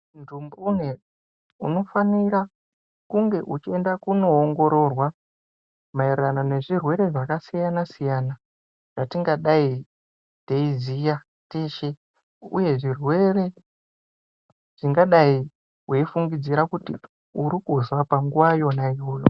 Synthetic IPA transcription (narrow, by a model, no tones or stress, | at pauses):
ndumbune | ṵno̞faniɾa | kuŋɡe̞ʔut͡ʃie̞ndakuno̞ːŋɡo̞ɾo̞rwa | mairranone̞ʐirwe̞ɾe̞ʐakasijanasijaːna | ʐ̥atiŋɡaɗai | teizija | teʃe | ṵje̞ʐirwe̞re̞ | ʐ̥iŋɡaɗai | weifuŋɡid͡ziɾakuti | uɾikuzwapaŋɡuwajo̞naiɦoːjo